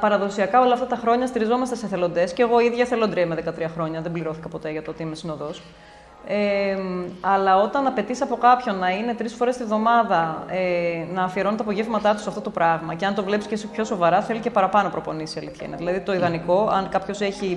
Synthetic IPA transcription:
pɐɾɐðo̞siɐkɐo̞lɐft̪ɐt̪ɐxɾo̞ɲɐst̪iɾizo̞mɐst̪e̞seθe̞lo̞nd̪e̞sce̞ɣo̞iðʝɐθe̞lod̪ɾiɐmeðe̞kɐt̪ɾiɐxɾo̞ɲɐðe̞mbliɾo̞θi̥kɐpo̞t̪e̞ʝɐt̪oot̪iimesino̞ðos | e | ɐlɐo̞t̪ɐnɐpe̞t̪isɐpo̞kɐpço̞nːɐine̞t̪ɾisfo̞ɾest̪ivðo̞mɐðɐenɐːfieɾo̞net̪ɐpo̞ʝevmɐt̪ɐt̪usɐft̪o̞t̪opɾɐɣmɐceɐnt̪o̞vle̞piscesipço̞so̞vɐɾɐθe̞lice̞pɐɾɐpɐno̞pɾo̞po̞nisiɐliθçḛnɐ̰ðilɐðit̪o̞iðɐniko̞ɐnkɐpçose̞çi

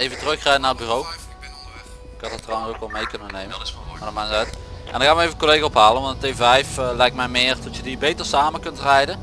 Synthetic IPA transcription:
ejvəntrøxrɛjənarəd̚byːrow | ɪkɑtətrɔnərokɔlˠmejkønənːejməmadɔmanzœtʔɛ̰ndɔxaːʋmejvəkolejɣaɔpɦaːlənʋɔntətevɛjflɛjk̚tmɛjmɪːərtɔtjədibejtərsaːməkɵntrɛjdə

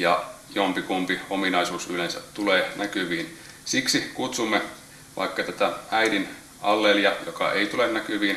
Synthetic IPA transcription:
jɑ̰ | iompikumpiominɑisuːsylensæ̰t̪t̪uleːnækyʋiːn | siksikut̪sumːe | ʋʔɑ̰ikːɑt̪æt̪ææidin | ʔɑlːeliɑjokɑ̰ʔeit̪ulenːækyʋiːn

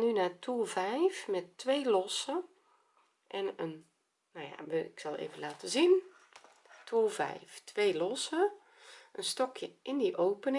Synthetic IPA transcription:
nynaːtʰulˠvɛjfmɛtːʋeːlɔsə | ʔɛnən | naja̰ʋəɪksɑlˠḛːvənlaːtəzin | tʰulˠvɛ̰jftʰʋejlɔsə | ʔənstɔkʰjəʔɪndiʔowpən

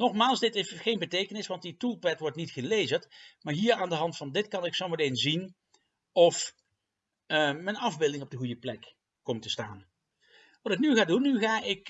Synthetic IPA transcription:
nɔχmaːlˠsdɪtɪχejnbətejkənɪsʋɑnt̚ditulˠpɛtʋɔɹtnitχəlejzəɹtmaːɹɦiːɹaːndəɦɑntfɑndɪtkɑnɪksɔməlenzin | ɔf | mənɑvbɪlˠdɪŋɔb̚dəɣujəplɛk | kːɔmtəsta̰ːn | ʋɑtɪknyχaːdunːyχaːʔɪk

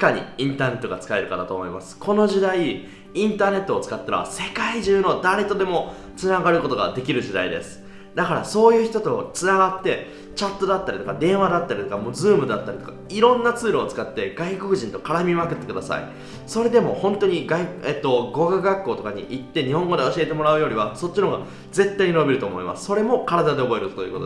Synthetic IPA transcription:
kaɲ̟ḭĩnt̪aːne̞t̪ːo̞ɡat͡sɨ̥kae̞ɾɯ̟kad̪at̪o̞ːmo̞imasɨ̥kʰo̞no̞ʑid̪ai | ĩnt̪aːne̞t̪ːo̞ːt͡sɨ̥kat̪ːanoa̰se̞kaiʑɨːno̞d̪aɾet̪o̞d̪e̞mo̞ | t͡sɨnaɡaɾɯ̟ko̞t̪o̞ɡa̰d̪e̞kʲiɾɯ̟ʑid̪a̰id̪e̞̰sɨ̥ | d̪akaɾaso̞ːjɯ̟ːçi̥t̪o̞t̪o̞t͡sɨnaɡat̪ːe̞ | t͡ɕat̪ːo̞d̪at̪ːaɾʲit̪okad̪ẽ̞ɰ̃βad̪at̪ːaɾʲit̪o̞kamoːzɨːmɯ̟d̪at̪ːaɾʲit̪okaiɾõ̞nːat͡sɨːɾoːt͡sɨ̥kat̪ːe̞ɡaiko̞kɯ̟ʑĩnt̪o̞kaɾamʲimakɯ̟t̪ːe̞kɯ̟d̪asa̰ḭ | so̞ɾe̞d̪e̞mo̞hõ̞nt̪o̞ɲ̟iɡaieːt̪ːo̞ɡo̞ɡaɡakːo̞ːt̪o̞kaɲ̟ḭʔit̪ːe̞ɲ̟ihõ̞ŋɡo̞d̪e̞o̞ɕie̞t̪e̞mo̞ɾaɯ̟jo̞ɾʲiβaso̞t͡ɕːinoɡa | d͡ze̞t̪ːaiɲino̞bʲiɾɯt̪o̞ːmo̞imʔa̰sɨ̥so̞ɾe̞mo̞kaɾad̪ad̪e̞obo̞e̞ɾɯ̟t̪ot̪ojɯ̟ːkot̪o

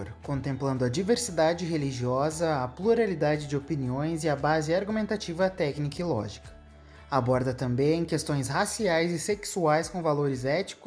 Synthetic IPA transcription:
ɾkõnt̪ẽmplɐ̃nd̪ʊɐd͡ʒiveɾsid̪ad͡ʒɪɦeliʒiɔzɐɐpluɾalid̪ad͡ʒɪd͡ʒɪopiniõj̃zɪɐbazɪaɾɡumẽnt̪at͡ʃivɐt̪ɛknikɐilɔ̰ʒikɐ̥ | abɔɾd̪ɐt̪ɐ̃mbẽj̃kest̪õj̃shasiajzɪseksuajskõvaloɾɪzɛt͡ʃi̥kʊ

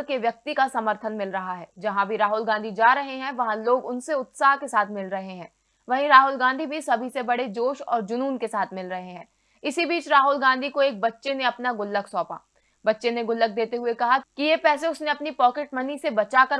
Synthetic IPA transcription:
keʋjɐk̚t̪ikasɐməɾt̪ʰənmɪlɾɐɦaɦɛːd͡ʒɐɦãbʱiɾaːɦʊlɡãːnd̪ʱid͡ʒaːɾɐɦeɦɛ̃ʋɐɦãloːɡʊnseʊt̪saːɦkesaːt̪ʰmɪlɾɐɦeɦɛ̃ː | ʋɐɦĩɾaːɦʊlɡãːnd̪ʱibʱisɐbʱisebɐɽed͡ʒoːʃɔ̰ːɾd͡ʒʊnuːnkesaːt̪ʰmɪlɾɐɦeɦɛ̃ː | ɪsibiːt͡ʃɾaːɦʊlɡãːnd̪ʱikoeːk̚bɐtːʃeneɐpnaɡʊlːəksɔːpa̰ː | bɐtːʃeneɡʊlːək̚d̪eːt̪eɦʊekɐɦakijepɛːseʊsneɐpnipɔːkeʈmɐnisebɐt͡ʃakɐɾ

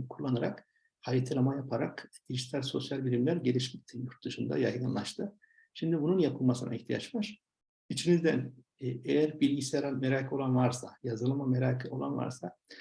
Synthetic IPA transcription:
kʰulˠːanɯɾak | haɾit̪ʰilʲamajapʰaɾakd̪̥iʒit̪ʰalʲso̞sjalʲbilʲimlʲæɾɟe̞lʲiʃmʲit̪ʰːijuɾt̪̚d̪ɯʃɯnd̪a̰jajɡɯnlˠaʃt̪ʰɯ | ʃimd̪ibununjapʰɯlˠmasɯnʔa̰iht̪ʰija̰t͡ʃvaɾ̥ | it͡ʃʰinizd̪æn | ejæɾbilʲɟisjaɾanmeɾaːkʰɯo̞lˠanvaɾsajazɯɾlˠamameɾaːkʰɯo̞̰lˠa̰nva̰ɾsa

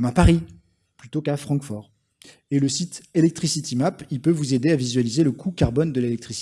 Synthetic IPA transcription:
mapaʁi | plyt̪okafχɑ̃kfɔʁ | eləsit̪elɛk̚t̪χisit̪imapilpøvuzed̪eavizɥalizeləkʰukaʁbɔnd̪əlelɛk̚t̪χis

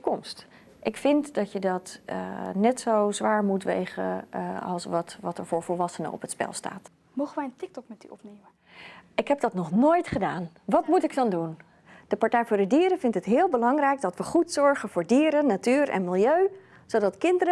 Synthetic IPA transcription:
kɔmst | ʔɪkfɪntdɑcjədɑt | nɛtsowzʋaːɹmutʋḛjχə̰ɑ̰lˠsʋɑtʋɑtəɹvʊːɹvɔlˠʋɑsənə̰ɔ̰pətspɛ̰lˠsta̰ːt | mowχənʋɛjəntɪk̚tɔkmɛtdy̰ɔpneːmə | ʔɪkɦɛp̚d̥ɑtnɔχnoːjtχədaːn | ʋɑtmutɪk̚dɑndun | d̥əpɑɹtɛjfʊːɹdədiːɾəvɪntɦətɦɪːlˠbəlɑŋrɛjk̚dɑtʋəχutsɔɹχənv̥ʊːɹdiːɾənːatyːrʔɛ̰nmɪlˠjøɥ | zodɑtkɪndəɾə

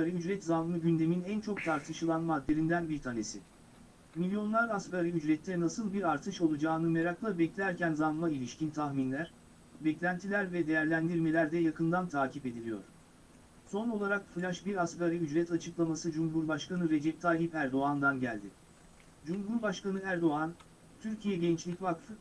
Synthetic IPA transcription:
saɾɯyd͡ʒɾɛt̪zanmɯɟynd̪e̞minænt͡ʃʰo̞k̚t̪ʰaɾt̪ʰɯʃɯlˠanmad̪ːe̞ɾind̪ænbiɾt̪ʰane̞si | milʲjo̞nlˠaɾaskaɾɯyd͡ʒɾɛt̪ʰːɛnasɯlˠbiɾaɾt̪ʰɯʃo̞lˠud͡ʒaːnɯmeɾaklˠabɛclʲæɾcænzanmailʲiʃcʰint̪ʰaxminlʲæɾ̥ | bɛclʲænt̪ʰilʲæɾvɛd̪ejæɾlʲænd̪iɾme̞lʲæɾd̪ɛjakʰɯnd̪ant̪ʰaːcʰipe̞d̪ilʲijo̞̰ɾ̥ | so̞no̞lˠaɾakfɯlʲaʃbiɾaskaɾɯyd͡ʒɾɛt̪ʰat͡ʃʰɯklˠamasɯd͡ʒumɦuɾbaʃkanɯɾe̞d͡ʒɛp̚t̪ʰalʲipæɾd̪o̞and̪anɟælʲd̪ɪ | d͡ʒumɦuɾbaʃkanɯæɾd̪o̞an | t̪ʰyɾcʰijɛɟɛnt͡ʃlʲicvakt̪ʰɯ

